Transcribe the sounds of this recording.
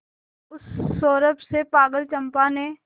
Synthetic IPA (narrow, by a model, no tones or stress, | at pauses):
ʊsːoːɾəpsepaːɡəlt͡ʃɐ̃mpane